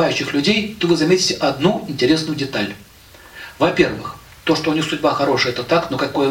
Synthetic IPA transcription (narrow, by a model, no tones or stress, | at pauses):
ajʉɕːɪxlʲʉdʲejt̪ovɨzɐmʲetʲɪtʲɪʔɐd̪nuɪnʲtʲɪɾʲe̞snʊjʊdʲɪt̪alʲ | vɐpʲe̞rvɨ̰x | t̪o̞ʂt̪oʊnʲixsʊdʲbaxɐɾo̞ʂɨjɛt̪ət̪aknokɐko̞jə